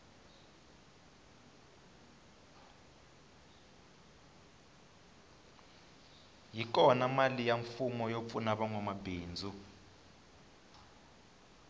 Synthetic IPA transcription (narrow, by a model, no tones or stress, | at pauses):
jik̬ʼɔnamalijaɱfumɔjop̪funaɓaŋwamabeːnd͡zʱu